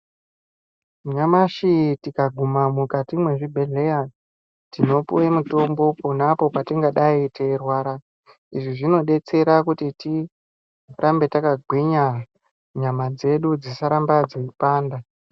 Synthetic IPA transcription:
ɲamaʃitikaɡʱumamukatimwe̞ʐibʱe̞ɮe̞ja | tino̞puwemuto̞mbo̞ponapo̞patiŋɡaɗaiterwaːɾa | iʐiʐino̞ɗe̞t͡se̞ɾakutiti | rʔambe̞takaɡʱwiɲa | ɲamad͡ze̞ɗud͡zisaɾambad͡zoipaːnda

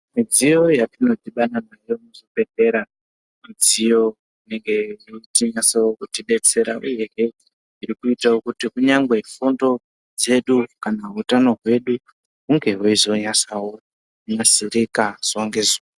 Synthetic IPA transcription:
mid͡zijo̞jatino̞tiɓananaijomuzopeɮe̞ɾa | mid͡zijo̞ | uine̞ŋɡe̞itiɲasawokutiɓe̞t͡se̞ɾaʔuje̞ɦe | iɾikuitawokutikuɲaŋɡwe̞fundo̞ | d͡ze̞ɗukanaɦutano̞ɦwe̞ɗu | ɦuŋɡe̞ɦoizo̞ɲasawo | uɲasiɾikaz̥oŋɡe̞zoo

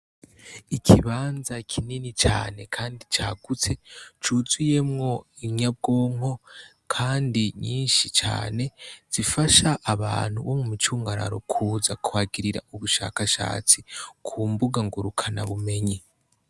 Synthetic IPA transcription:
ikʰiβaːnzakʰininit͡ʃa̰ːne̞kʰaːndit͡ʃaːɡ̥ut͡se̞t͡ʃuzuje̞mŋo̞iɲab̚ɡoːŋ̥o̞ | kʰaːndiɲiːnʃit͡ʃa̰ːne̞z̥ifaʃaʔːβa̰ːn̥huβomumit͡ʃuːŋɡaɾa̰ɾo̞kʰuːzakuwaːɡiɾiɾa̰uβuʃa̰ːkaʃa̰ːt͡sikʰumbuɡaŋɡuɾukʰana̰βume̞ɲi

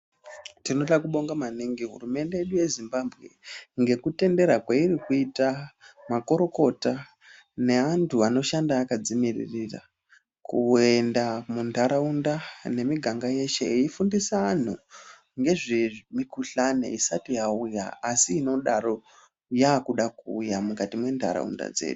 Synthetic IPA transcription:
tino̞ɗakuɓo̞ŋɡamaniŋɡiɦṵrume̞nde̞jeɗuje̞zimbabʱɣe̞ŋɡe̞kute̞nde̞ɾakwairikuitamako̞ɾo̞ko̞ta | ne̞antʰuano̞ʃandaːkad͡zimirḭrira̰ | kue̞ndamundʱaɾaundane̞miɡʱaŋɡaje̞ʃe̞eifundisaːn̤u | ŋɡe̞ʐemikuɬanḛisatijauja̰asiːno̞ɗaɾo̞ | jaːkuɗakuːjamukatimwe̞ndʱa̰ɾa̰ṵnda̰d͡ze̞̰ːɗu

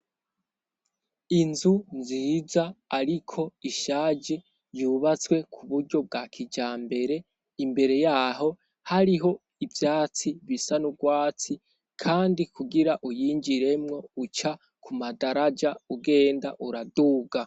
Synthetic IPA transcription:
inzunziːzaːɾikʰo̞iʃaːd͡ʒe | juβat͡swe̞kʰuβuɾɟo̞b̚ɡaːkʰid͡ʒaːmbe̞ɾe̞ | imbe̞ɾe̞jaːɦo̞ | haɾiɦo̞ | ivjaːt͡siβisanuɡwaːt͡si | kʰaːndikuɡiɾaʔujiːɲd͡ʒiɾe̞mŋo̞ut͡ʃa | kumadaɾad͡ʒauɡe̞ːndaʔuɾaduːɡa

